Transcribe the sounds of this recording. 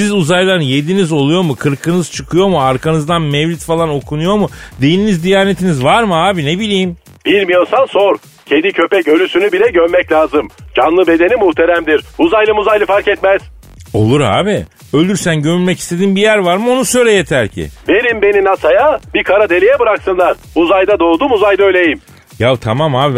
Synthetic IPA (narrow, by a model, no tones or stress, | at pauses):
sizuzajlˠaɾje̞d̪inizo̞lˠujo̞mukʰɯɾkʰɯnɯz̥t͡ʃʰɯkʰɯjo̞muaɾkʰanɯzd̪anmɛvlʲit̪falˠano̞kʰunujo̞mud̪e̞jininizd̪ijaːne̞t̪ʰinizvaɾmɯaːbinebilʲijim | b̥iɾmijonsansoɾ | cʰend̪icʰø̞pɛcø̞lʲysynybilʲɛɟøɾmɛclʲaːzɯmd͡ʒanlˠɯbe̞d̪e̞nimuht̪ʰeɾæmd̪iɾuzajlˠɯmuzajlˠɯfaɾcɛt̪mɛz̥ | o̞̰lˠuɾa̰ːbi | ø̞lʲd̪yɾsænɟømylʲmɛci̥st̪ʰe̞d̪inbijæɾvaɾmɯo̞nusøjɾejet̪ʰæɾcʰɪ̰ve̞ɾimbe̞ninasajabikʰaɾad̪e̞lʲijɛbɯɾaksɯnlˠaɾ | uzajd̪ad̪o̞ːd̪umuzajd̪aøjlʲejim | javt̪ʰamamaːbi